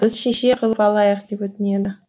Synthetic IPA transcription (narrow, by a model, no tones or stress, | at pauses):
b̥ɪzʃeʃeqʰəlˠəpɑlˠɑjəqd̪e̞pwɵt̪ɪne̞d̪ɪ